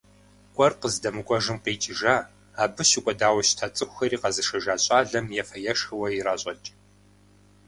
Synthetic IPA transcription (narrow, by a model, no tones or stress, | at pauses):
kʷʼɔrqəzdɐmɨkʷʼɔʒɨmqeːt͡ʃʼɪʒaː | aːbɨʃɪkʷʼɔdaːwɐʃtʰat͡sʼɨxʷɐɾiːqɐzɨʂɐʒaːɕʼaːɮɐmjɛfɐjɛʂxɨwɐjiraːɕʼɐt͡ʃʼ